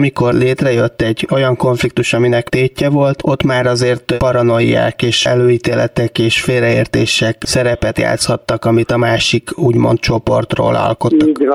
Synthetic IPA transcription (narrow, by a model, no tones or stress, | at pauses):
miko̞rleːt̪rɛjøt̪ːɛɟːo̞jɒŋko̞ɱflik̚t̪uʃɒminɛkt̪eːcːɛvo̞lt̪o̞t̪ːmaːɾɒzeːrt̪pɒɾɒno̞jːa̰ːkeːʃɛ̰løːiːt̪eːlɛt̪ɛkeːʃfeːrɛeːrt̪eːʃɛksɛɾɛpɛt̪ja̰ːt̪shɒt̪ːɒkɒmit̪ɒmaːʃikuːɟmo̞̰nt̪̚t͡ʃo̞po̞̰rt̪ro̰ːlɒ̰lko̞t̪ːɒ